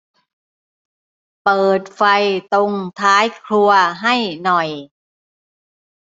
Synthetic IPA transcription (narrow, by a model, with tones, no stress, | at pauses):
pɤː˨˩t̪̚fa˧jt̪o˧ŋt̪ʰaː˦˥jkʰlu˧ɐɦa˥˩jnɔ˨˩j